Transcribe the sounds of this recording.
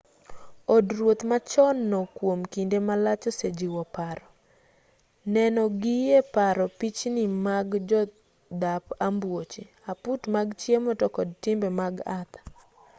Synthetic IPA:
ɔdɾwot̪mat͡ʃɔnːɔkwomkindemalat͡ʃɔsed͡ʒiwɔpaɾɔ | nɛnɔɡijepaɾɔpit͡ʃnimaɡd͡ʒɔ | d̪apambwot͡ʃe | aputmaɡt͡ʃjemɔtɔkɔd̚tɪmbɛmaɡat̪ḁ

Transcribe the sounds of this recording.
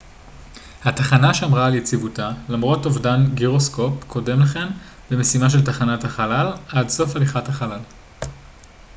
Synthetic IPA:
hataχanaʃamʁaːljet͡sivutalamʁo̞tovdanɡiʁo̞sko̞pkʰo̞de̞mleχe̞m | beme̞simaʃ̬eltaχanathaχalalʔadso̞faliχathaχalal

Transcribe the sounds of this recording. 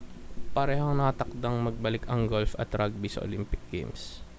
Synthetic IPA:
pɐɾɛːɦoŋnɐɐt̪ɐk̚d̪ɐŋmɐɡ̚bɐlɪkɐŋɡolfɐ̰t̪ɾaɡ̚bisɐ̰ʔo̰lɪmpɪk̚ɡ̥ɛ̰jms

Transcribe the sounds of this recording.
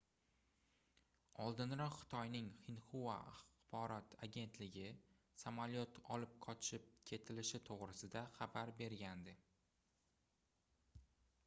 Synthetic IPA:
ɒlˠd̪ɪnɾɒqχɪ̥t̪ʰɒjnɪŋχɪnχuva̰aχbɒɾɒt̪ʰaɡʲe̞nt̪lɪɡʲɪ | samaljot̪ɒlɪp̚qʰɒt͡ʃʰɪp̚kʲʰe̞t̪ʰɪlɪʃɪt̪ʰoʁɾɪsɪd̪aχabaɾbe̞ɾɡʲand̪ɪ

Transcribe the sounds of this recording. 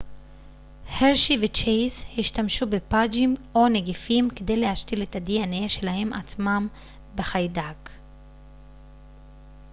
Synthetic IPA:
heʁʃivet͡ʃejzhiʃtamʃubepad͡ʒimo̞neɡifimked̪e̞jlehaʃtiletad̪ianeʃe̞lahe̞mʔat͡smam | beχajdak

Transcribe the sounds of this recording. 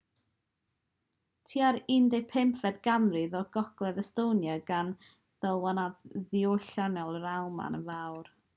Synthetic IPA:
tʰiːaɾɪndɛpʰɪmpʰvɛdɡamrɨðɔɡ̥ɔɡ̥lˠɛðəstownjaɡan | ð̥əlˠwanaðioɬanɛlˠrawˠma̰nəvawr

